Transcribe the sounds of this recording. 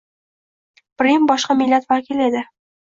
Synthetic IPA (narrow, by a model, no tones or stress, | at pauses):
pɾimbɒʃqɑmɪlːat̪vakʲɪle̞d̪ɪ